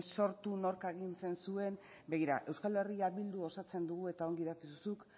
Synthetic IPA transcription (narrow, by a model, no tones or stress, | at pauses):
so̞ɾt̪unoɾkaeɣint͡se̞nsue̞n | be̞ɣiɾa̰ʔe̞wskale̞riaβild̪uo̞sat͡se̞nd̪uɣue̞t̪ao̞ŋɡiðakiðusuk